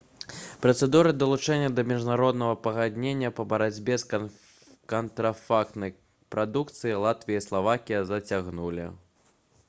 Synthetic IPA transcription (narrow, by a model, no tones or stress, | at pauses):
pɾɐt̪sɛd̪uɾɨd̪ɐlˠut͡ʂɛnʲːɐd̪ɐmʲiʐnaɾɔd̪nɐɣɐpɐɣad̪ʲnʲenʲːɐpɐbɐɾad͡zʲbʲɛs | kɐnt̪ɾɐfakt̪nɐj | pɾad̪ukt̪sɨjilˠat̪vʲijɐislˠavakʲijɐzɐt͡sʲaɣnulʲḭ